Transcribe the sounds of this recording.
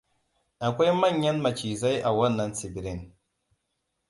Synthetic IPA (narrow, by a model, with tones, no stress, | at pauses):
a˨kʷa˦jma˦ɲːa˦nma˨t͡ʃi˨za˦ja˨wa˦nːa˨nsi˨bi˨ɾi˦˨n